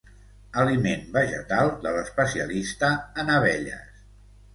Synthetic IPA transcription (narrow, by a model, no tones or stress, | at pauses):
əlimenbəʒə̰t̪alˠd̪ələspəsiə̰list̪əːnəβɛʎə̰s